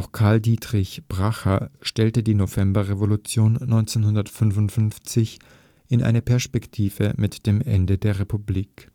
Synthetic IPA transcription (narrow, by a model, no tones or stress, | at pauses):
ʔaʊxkʰaɐldiːtʁ̥ɪçb̥ʁaxɐʃtɛltədiːnovɛmbɐʁevolut͡sjoːnːɔʏnt͡seːnhʊndɐtfʏnvʊntfʏnft͡sɪç | ʔɪnʔa̰ɪnəpʰɛɐspɛktʰiːvə̰mɪtd̥eːmʔɛ̰ndədeːɐʁepubliːk